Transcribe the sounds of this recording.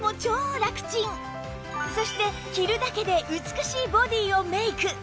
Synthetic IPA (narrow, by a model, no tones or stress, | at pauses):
mo̞t͡ɕo̞ːɾakɯ̟̥t͡ɕĩŋ | so̞ɕi̥t̪e̞ | çʲiɾɯ̟d̪ake̞d̪e̞ʔɯ̟t͡sɨ̥kɯ̟ɕiːbo̞d̪ʲiːo̞me̞ikɯ̟